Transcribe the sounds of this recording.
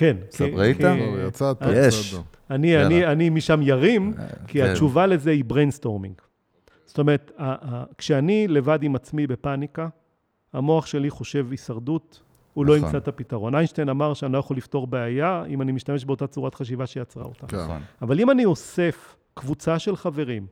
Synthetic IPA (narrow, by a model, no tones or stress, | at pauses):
kenkektajat͡sat | anianianimiʃamjaʁimkiat͡ʃuvale̞zeibʁensto̞ʁmḭŋɡ | z̥ot̪ome̞ʁet̪aʔkʃeanile̞vadimat͡smibe̞panika | amo̞aχʃe̞liχo̞ʃe̞visaʁdut | ulo̞imt͡sat̪apitaʁo̞najnʃt̪ejnamaʁʃeanilojaχolifto̞ʁbeajaḭmanimiʃtame̞ʃ̬beo̞tat͡suʁatχaʃ̬ivaʃejat͡sʁa̰o̰t̪a̰avalimanio̞se̞f | kvut͡saʃe̞lχave̞ʁim